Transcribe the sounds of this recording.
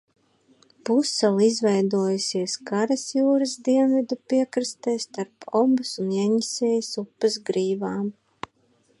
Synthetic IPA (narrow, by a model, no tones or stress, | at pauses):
pusɛlˠizvɛjd̪uɔjusʲiɛskaɾasjuːɾɐzd̪iɛnvid̪upiɛkɾɨst̪ɛːst̪aɾpɔmbɨsunjɛɲisʲɛːjisupːɨzɡɾiːvaːm